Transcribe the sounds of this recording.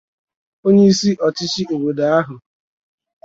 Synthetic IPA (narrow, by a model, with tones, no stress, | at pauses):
o˦ɲe˦i˦si˦ʔɔ˨tɪ˦t͡ʃi˦o˨we˨da˨a˦ɦʊ˨